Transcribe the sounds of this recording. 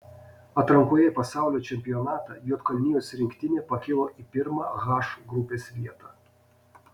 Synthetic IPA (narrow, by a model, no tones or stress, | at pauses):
ɐt̪ɾɐŋkuɔjɛpɐsɑˑʊlʲoːt͡ʃʲɛmʲpʲɪjɔnɑːt̪ɑ̰juːt̪kɐlʲnʲɪjoːsʲɾʲɪŋʲkʲt̪ʲɪnʲeːpɐkʲɪlˠoːʔipʲɪɾmɑːɣɑːʃuɡɾʊpʲeːsʋʲiɛt̪ɑ